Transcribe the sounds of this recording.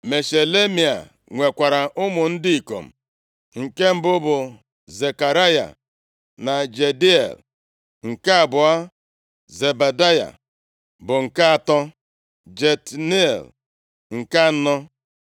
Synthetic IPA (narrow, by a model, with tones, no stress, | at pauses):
me˨ʃe˨le˦mi˨a̰˨ | ŋʷe˨kʷa˨ɾa˨ʔʊ˦mʊ˨n̩˦dɪ˦i˨ko̰˨m̩˨ | ŋ̩˨ke˦m̩˨bʊ˦bʊ˨ | ze˨ka˨ɾa˦ja̰˨ | na˨d͡ʒe˨di˦ḛ˨l | ŋ̩˨ka˦a˨bʊ˨a˦ | ze˨ba˨da˦ja̰˨ | bʊ˨ŋ̩˨ka˦a˨tɔ˦ | d͡ʒe˨tni˦ḛ˨l | ŋ̩˨ka˦nɔ˦